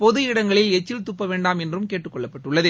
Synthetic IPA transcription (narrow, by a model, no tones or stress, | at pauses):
pɔðɯjɪɽɐŋɡɐɭɪlɛt͡ʃːɪlt̪ʊpːɐʋeːɳɖaːmɛndrɯmkeːʈrɯkːɔɭːɐpːɐʈːɯɭːɐðe